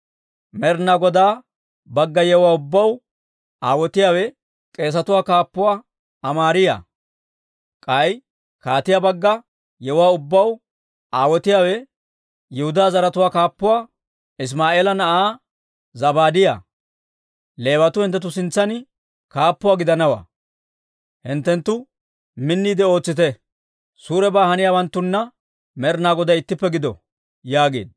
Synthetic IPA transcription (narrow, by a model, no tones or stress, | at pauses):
mɛɾnaɡɔd̪aː | bɐɡːɐjɛwaːʊbːɐw | aːwɔt̪ɪjaːwɛ | kʼe̞ːs̬ɐt̪ʊwaːkaːpːʊwaː | ɐmaːɾɪja̰ | kʼɐj | kaːt̪ɪjaːbɐɡːɐ | jɛʊwaːʊbːɐw | aːwɔt̪ɪjaːwɛ | jɛhʊd̪aːzɐɾɐt̪ʊwaːkaːpːʊwaː | ɪs̬maːʔeːlɐnɐʔaː | zɐbaːd̪ɪja̰ː | le̞ːbɐt̪ʊhɪnt̪ːɛt̪̬ːʊsɪnt͡sːɐnɪ | kaːpːʊwaːɡɪd̪ɐnɐwa̰ː | hɪnt̪ːɛnt̪ːʊ | mɪnːiːd̪ɛo̞ːt͡sːɪt̪ɛ | suːɾɛbaːhɐnɪjaːwɐnt̪ːʊnːɐ | mɛɾnaːɡɔd̪ɐjɪt̪ːɪpːɛɡɪd̪ɔ̰ | jaːɡe̞̰ːd̪̚